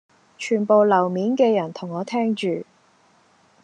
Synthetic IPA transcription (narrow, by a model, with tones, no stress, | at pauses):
t͡ʃʰyː˨˩npo˨wlɐ˨˩wmiː˨˥nkɛː˧jɐ˨˩nt̪ʰʊ˨˩ŋːɔː˨˧t̪ʰɛː˥ŋt͡ʃyː˨